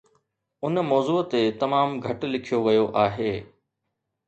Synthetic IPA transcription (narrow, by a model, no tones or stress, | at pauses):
ʊnmɔːzuːt̪et̪ɐmaːmɡʱɐʈlɪkʰijoʋɐjoʔaːɦeː